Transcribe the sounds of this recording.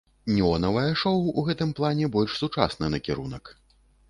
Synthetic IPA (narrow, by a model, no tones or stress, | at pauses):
nʲiɔnɐvɐjɐʂɔwuɣɛt̪ɨmplˠanʲɛbɔlʲʂsut͡ʂa̰snɐnɐkʲɛɾṵnɐk